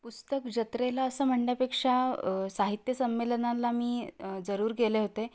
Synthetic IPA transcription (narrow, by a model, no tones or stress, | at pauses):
pust̪əkd͡ʑət̪ɾelaəsəːm̤əɳɖjapekʂasaɦit̪jəsəmːelənãlamiːd͡zəɾuːɾɡeleɦot̪e